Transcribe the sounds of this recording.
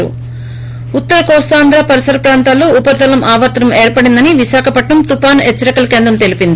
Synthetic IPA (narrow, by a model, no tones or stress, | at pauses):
ṵ | ut̪ːɐɾɐkɔːst̪aːnd̪ɾaːpɐɾisɐɾɐpɾaːnt̪aːlːoːupɐɾd̪ɐlɐmʔaːʋɐːt̪ɾɐmeːɾpɐɽind̪ɐniʋiʃaːkʰɐpɐʈɳɐmt̪upaːnet͡ʃːɐɾɐkɐlɐkeːnd̪ɾɐmt̪e̞lipind̪i